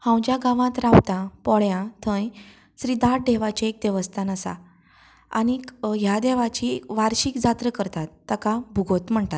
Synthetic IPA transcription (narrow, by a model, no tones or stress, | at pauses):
hãwd͡ʑjaɡãʋãt̪ɾawt̪apɔɭjãt̪ʰə̃j | sɾid̪aʈ̚d̪eʋat͡ɕaek̚d̪eʋəst̪anəsa̰ | a̰ñiɦjad̪eʋat͡ɕikʋaɾɕikd͡zat̪ɾəkəɾt̪at̪ːakabʱuɡot̪m̤əɳt̪at̪